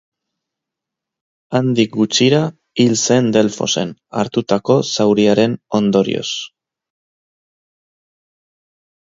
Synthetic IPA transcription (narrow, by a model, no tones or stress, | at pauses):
and̪ik̚ɡut͡ʃiɾa | ilse̞nd̪e̞lfo̞̰se̞̰na̰ɾt̪ut̪ako̞sawɾiaɾe̞no̞nd̪o̞ɾḭo̞̰s